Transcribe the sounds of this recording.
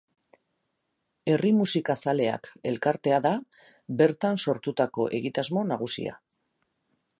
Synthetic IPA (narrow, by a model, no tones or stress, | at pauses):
e̞rimusikasale̞a̰ke̞lkaɾt̪e̞aða | be̞ɾt̪anso̞ɾt̪ut̪ako̞̰ʔe̞ɣit̪azmo̞naɣ̞usḭa̰